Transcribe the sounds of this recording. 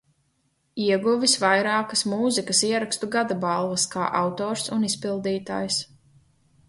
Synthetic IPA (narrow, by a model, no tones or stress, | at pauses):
iɛɡuvisvajɾaːkɐsmuːzikɐsiɛɾakst̪uɡad̪abalˠvɐska̰ːʔawt̪ɔːɾsunispilˠd̪iːt̪a̰ːjs